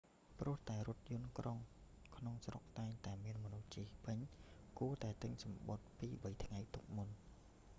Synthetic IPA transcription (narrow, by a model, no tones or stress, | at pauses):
prʊ̆əht̪aɛɾʊ̆ət̪̚jʊənkroŋ | kʰnoŋsrok̚t̪aɛŋt̪aɛmiənmɔnuht͡ɕiːhpɨɲkuət̪aɛt̪ɨɲsɑmɓot̪̚piːɓəjt̪ʰŋajt̪uk̚mun